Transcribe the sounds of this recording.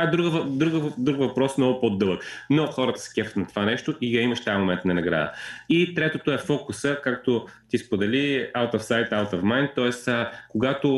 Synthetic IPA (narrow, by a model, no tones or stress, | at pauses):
ad̪ɾuɡəvɐd̪ɾuɡəd̪ɾukvɐpɾɔsmnɔɡʊpod̪ɤlˠəknoxɔɾɐt̪ə̥sə̥kʲɛfət̪nɐt̪ovanɛʃt̪oʔiɡɐimɐʃt̪ajmomɛnt̪nɐnɐɡɾa̰d̪ə̰it̪ɾɛt̪ot̪oɛfɔkʊsəkak̚t̪ot̪ispod̪ɛlialˠt̪ɐfsajt̪alˠt̪əfmajnt̪ːɔɛsəkoɡat̪o